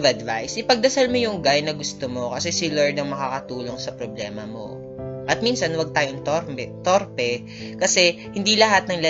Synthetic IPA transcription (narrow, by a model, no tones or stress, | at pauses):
vɐd̪vajsʔɪpɐɡ̚d̪ɐsalmojʊŋɡajnɐɡʊst̪omo̞kɐsɛsɪloɹd̪ɐŋmɐkaːkɐt̪uːlo̞ŋsɐpɾoblɛːmɐmo̞̰ | ʔɐt̪̚minsɐnwɐɡ̚t̪aːjoŋt̪oɾt̪oɾpɛ | kɐsɛ | hɪnd̪ilɐɦat̪nɐŋlɐ